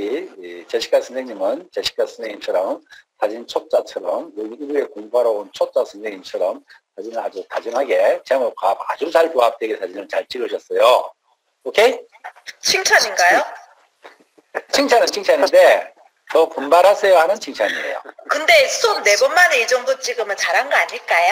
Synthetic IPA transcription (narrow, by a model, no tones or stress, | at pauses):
iit͡ɕeɕʰi̥k͈asʰʌŋsʰeŋɲimɯnt͡ɕeɕʰi̥k͈asʰʌŋsʰeŋɲimt͡ɕʰʌɾʌmtad͡ʑint͡ɕʰot̚t͡ɕ͈at͡ɕʰʌɾʌmoibuekoŋbaɾʌont͡ɕʰot̚t͡ɕ͈asʰɯŋsʰe̞ŋɲimt͡ɕʰʌɾʌmtad͡ʑinɯɭa̰d͡ʑutad͡ʑɯŋɦaɡe̞t͡ɕeaŋokabad͡ʑut͡ɕaɭpoap̚t͈eɡetad͡ʑinɯɭt͡ɕaɭt͡ɕ͈iɾoɕʰʌs͈ʌjo | okʰe | t͡ɕʰiŋt͡ɕʰaɲinɡajo | t͡ɕʰiŋt͡ɕʰanɯnt͡ɕʰiŋt͡ɕʰaɲinde̞ | tʌkombaɾɦasʰe̞johanɯnt͡ɕʰiŋt͡ɕʰaɲiḛjo̰kɯnde̞sʰonːe̞bʌnmaneid͡ʑʌŋdot͡ɕiɡɯmɯt͡ɕaɾɦanɡʌaɲiɭk͈aj